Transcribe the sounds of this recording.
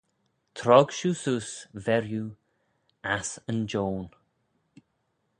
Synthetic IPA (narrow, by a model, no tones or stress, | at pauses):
t̪ʰɾɔɡ̥ʃususvɛɹju | asənd͡ʒoːn